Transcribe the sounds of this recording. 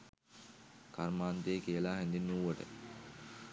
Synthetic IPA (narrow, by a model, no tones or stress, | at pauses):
karmaːnt̪eːkijəlaːɦɛnd̪inuːʋəʈə̰